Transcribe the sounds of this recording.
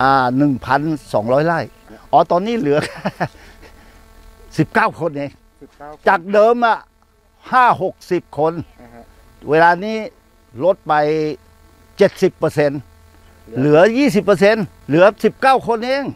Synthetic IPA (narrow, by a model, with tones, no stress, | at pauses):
ʔaː˧˩nɯ˨˩ŋpʰa˧nsɔ̰ː˩˦ŋlɔː˦˥˨jlaː˧˥˩j | ʔɔː˨˧˦t̪ɔː˧nːiː˥˩˨lɯ˩˦ɐka˧˩ | si˨˩p̚kaː˥˩wkʰo˧nʔeː˧ŋ | t͡ɕaː˨˩k̚dɤː˧mla˧˩ | haː˥˩ho˨˩k̚si˨˩p̚kʰo˧n | wʔeː˧laː˧niː˥˩ | lo˦˥t̪̚pa˨˧j | t͡ɕe˨˩t̪̚si˨˩pːɤː˧se˧n | lɯ˨˩˦ɐ˦jiː˥˩s̬i˨˩pːɤː˧se˧n | lɯ˩˦ɐ˦si˨˩p̚kaː˥˩wkʰo˧nʔeː˧ŋ